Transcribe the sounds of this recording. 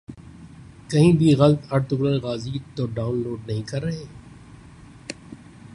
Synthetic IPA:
kɐɦĩːbʱiɣɐlət̪ɐɾt̪ʊɡɾəlɣaːziːt̪ːoːɖaːʊnloːɖnɐɦĩkɐɾːɐɦeː

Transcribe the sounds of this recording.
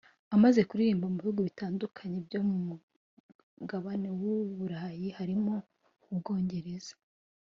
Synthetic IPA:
amaze̞kuɾiɾiːmbamuβihuːɡoβitaːndukʰaɲe̞bjo̞mumu | ɡaβane̞wuβuɾajihaɾimo̞ | ubɡo̞ːɲɟe̞ɾe̞z̥ḁ

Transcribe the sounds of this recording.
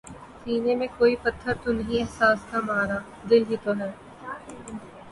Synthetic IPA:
siːnemẽkoːipɐt̪ʰːəɾt̪onɐɦĩɛɦsaːst̪ʰamaːɾaː | d̪ɪlɦit̪oɦɛː

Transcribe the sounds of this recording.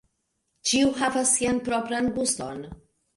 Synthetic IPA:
t͡ʃiuɦavasːianpɾopɾanbusto̰n

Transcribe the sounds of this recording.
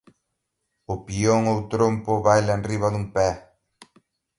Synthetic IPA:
ʊpioŋowt̪ɾompʊβajlaenriβaðumpɛ

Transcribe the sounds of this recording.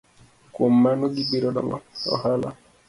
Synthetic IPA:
komːanoɡibiɾɔɖɔ̰ŋɔ̰ɔ̰hala̰

